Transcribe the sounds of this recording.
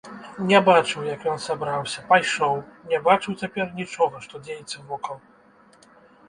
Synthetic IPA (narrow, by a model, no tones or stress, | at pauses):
nʲɛbat͡ʂɨwjɐkjɔnsabɾawsʲɐpajʂɔwnʲɛbat͡ʂɨwt͡sʲapʲɛrnʲit͡ʂɔɣɐʂt̪ɔd͡zʲejɛt̪sːɐvɔkɐwˠ